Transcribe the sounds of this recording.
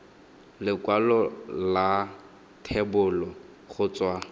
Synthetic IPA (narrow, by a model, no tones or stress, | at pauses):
lɪkwalɔla | tʰɛbʊlɔ | χʊt͡swa